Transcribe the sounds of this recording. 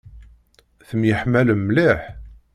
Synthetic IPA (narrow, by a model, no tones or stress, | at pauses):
θəmjəħmæləmːliħ